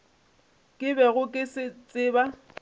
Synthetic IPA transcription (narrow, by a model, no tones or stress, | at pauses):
kʼɪbɛɣʊkʼɪsɪt͡sʼɪːba